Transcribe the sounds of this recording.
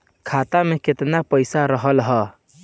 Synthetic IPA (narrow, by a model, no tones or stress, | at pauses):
kʰat̪ameket̪napəɪsaɾəɦəlɦə